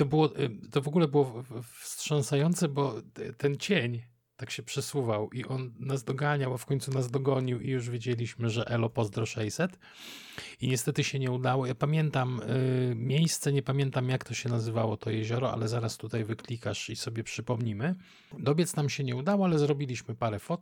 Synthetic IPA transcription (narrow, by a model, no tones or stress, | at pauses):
t̪ɔbɘwɔt̪ɔvɔɡulɛbɘwɔfstʂɔ̃nsajɔnt̪sɛbɔt̪ɛnt͡ɕeɲ | t̪akɕɛpʂɛsuvawʔiʔɔnːazd̪ɔɡaɲawafkɔɲt̪sunazd̪ɔɡɔɲiwḭjuʐvʲjed͡ʑelʲiɕmɘʐɛʔɛlɔpɔzd̪ɾɔʂɛjsɛt̪ | iɲɛst̪ɛt̪ɘɕɛɲɛud̪awɔjapamʲjɛnt̪amːʲ | jejst̪sɛɲɛpamʲjɛnt̪amjakt̪ɔɕɛnazɘvawɔt̪ɔjɛʑɔɾɔa̰lɛzaɾast̪ut̪ajvɘklʲikaʂisɔbʲjɛpʂɘpɔmɲimɘ | d̪ɔbʲjɛt̪snamɕɛɲɛud̪awɔalɛzɾɔbʲilʲiɕmɘpaɾɛfɔt̪